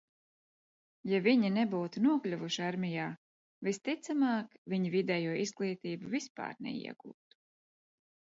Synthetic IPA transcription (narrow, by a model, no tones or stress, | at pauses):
javiɲinɛbuːt̪unuɔklʲuvuʃiaɾmʲijaː | vist̪it̪samaːkvʲiɲivid̪ɛjuɔʔiz̥ɡlˠiːt̪iːbuvispa̰ːɾnɛ̰ḭɛɡ̥ṵːt̪u̥